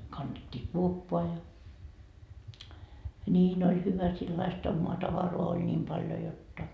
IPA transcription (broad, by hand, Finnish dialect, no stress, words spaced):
kɑnːetʲːiː kuopːoɑ jɑ niːn olʲ hyʋæ silːɑist omːoɑ tɑʋɑroɑ olʲ nʲiːm pɑljo jotːɑ